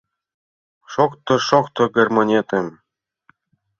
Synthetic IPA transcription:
ʃokt̪ŏʃokt̪ŏɡʲerʲmonʲet̪ɘ̆m

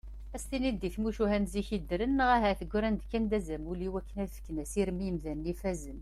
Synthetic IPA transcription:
æst̪inid̪iθmuʃuɦænziçid̪ɾənːəʁæɦæθəɡʷːɾænd̪kːænd̪æzæmuliwækːənæðfə̥kːnæsiɾmiəmðænːifæzəm

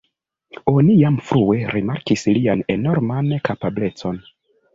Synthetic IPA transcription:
o̞nijamfɾue̞ɾimaɾkislianeno̞ɾmankapable̞t͡so̞n

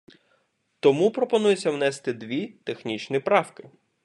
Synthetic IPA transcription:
t̪ɔmupɾɔpɔnujet͡sʲːɐwnɛst̪ɪd̪ʋʲit̪exnʲit͡ʃnipɾɑwkɪ

